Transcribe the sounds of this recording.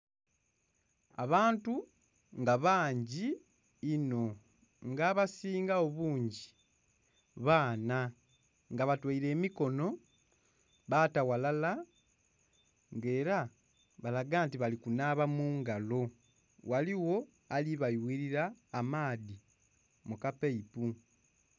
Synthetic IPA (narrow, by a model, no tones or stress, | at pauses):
a̰βaːntu | ŋɡaβaːɲɟiː | no̞ | ŋɡaːβasiːŋɡao̞βuːɲɟi | βaːna | ŋɡaβatwaiɾe̞ːmiko̞no̞ | βatawalala | ŋɡe̞ːɾa | βalaɡaːntiβalikunaβamuːŋɡalo̞ | waliwo̞ | aliβajwiɾiɾaːmaːði | mukapeipu